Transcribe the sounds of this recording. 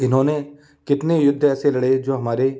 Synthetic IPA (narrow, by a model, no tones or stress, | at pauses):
ɪnɦõːne | kɪt̪nejʊd̪ʱːɛːselɐɽed͡ʒoːɦɐmaːɾe